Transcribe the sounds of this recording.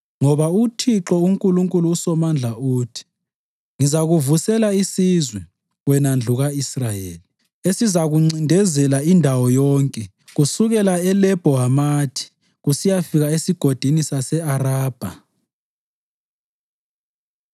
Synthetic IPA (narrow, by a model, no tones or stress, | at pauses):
ŋɔβautʰiǁɔuŋkʼuluŋkʼuluːsɔmand͡ɮʱauːtʰi̥ | ŋizaɣuvusɛlaisizwɛ | wɛnand͡ɮʱuɣaisrajḛːli | esizaɣuŋ͡ǀindʱɛzɛlaindʱawɔjɔːŋkʼɛ | ɣusuɣɛlaɛlɛb̥ʱɔɦamaːtʰi̥ | ɣusijafiɣaesiɡ̥ʱod̥ʱinisasɛaraːb̥ʱa̰